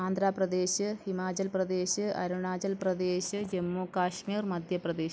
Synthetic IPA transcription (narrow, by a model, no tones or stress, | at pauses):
aːnd̪ʱɾaːprɐd̪eːɕɨhimaːt͡ɕɐlprɐd̪eːɕɨɐ̰ɾuɳaːt͡ɕɐlprɐd̪eːɕɨd͡ʑɐmːuːkaːʂmiːrmɐd̪ʱjɐprɐd̪eːɕ